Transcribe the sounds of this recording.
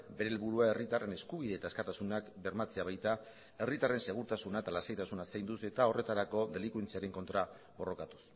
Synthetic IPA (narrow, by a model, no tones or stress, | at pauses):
be̞ɾe̞lβuɾuae̞rit̪are̞ne̞skuβ̞iðe̞ːt̪aeskat̪asunakbe̞ɾmat͡se̞aβ̞ajt̪a | e̞rit̪are̞nse̞ɣ̞uɾt̪asunaet̪alasejt̪asunasajnd̪use̞t̪ao̞re̞t̪aɾako̞d̪e̞likwent͡siaɾe̞ŋko̞nt̪ɾa | βo̞ro̞kat̪u̥s